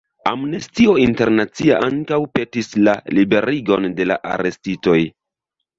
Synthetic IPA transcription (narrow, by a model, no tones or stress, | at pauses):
a̰mnestio̞inte̞ɾnat͡sia̰ʔaŋkawpe̞tislalibe̞ɾiɡo̞nde̞la̰ʔa̰ɾe̞stito̞j